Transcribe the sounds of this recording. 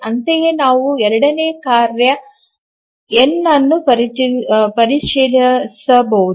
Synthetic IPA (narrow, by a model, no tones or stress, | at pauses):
ɐnt̪ɐjeːnaːʋuɛɾɐɽɐneːkaːɾjɐ | enːɐnːupɐɾiipɐɾiʂilɐsɐbɐwud̪